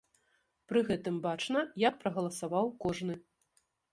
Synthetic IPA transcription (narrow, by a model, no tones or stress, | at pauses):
pɾɨɣɛt̪ɨmbat͡ʂnɐjak̚pɾɐɣɐlˠɐsavawkɔʐnɨ